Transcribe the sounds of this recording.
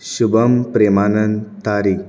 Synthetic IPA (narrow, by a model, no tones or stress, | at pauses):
ɕubəmpɾemanənt̪aɾik̚